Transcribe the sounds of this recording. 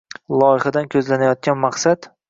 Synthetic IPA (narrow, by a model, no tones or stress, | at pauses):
lˠɒjɪχad̪ankʲʰɵzlanajɒt̪̚ɡʲanmaqsat̪